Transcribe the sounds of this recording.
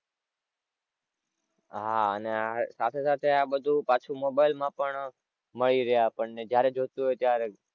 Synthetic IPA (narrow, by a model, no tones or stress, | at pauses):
ɦaəneasat̪ʰesat̪ʰeabəd̪ʱupat͡ʃʰumobaɪlmãpəɳ | məɭiɾəɦjapəɳned͡ʒjaɾed͡ʒot̪uɦojt̪jaɾe